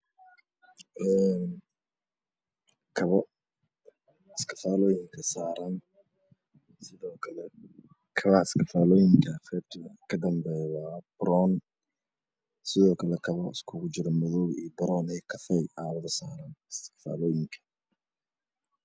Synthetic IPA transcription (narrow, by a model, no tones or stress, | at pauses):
ʔɛːn | kʰɐβɔ | ɪskʰɐ̥faːlɔːjɪŋkʰɐsaːɾɐn | sɪðɔːkʰɐlɛ | kʰɐβɐɪskɐfaːlɔːjɪŋkʰɐfɛb̚t̪ʰɪɐkʰɐd̪ɐmbɛːjwɑːb̥ɾɔːn | sɪðɔːkʰɐlɛkʰɐβɔɪskʰʊɣʊt͡ʃɪɾɔmɔðɔwijbɐɾɔːnɛkʰɐfɛjʔaːβɐðɐsaːɾɐnɪskɐ̥fa̰ːlɔːjɪŋkʰɐ̥